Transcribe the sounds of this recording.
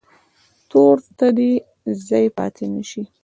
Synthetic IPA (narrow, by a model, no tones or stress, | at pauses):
t̪oɾt̪ad̪i | zɑjpɑ̰t̪ʰenəʃi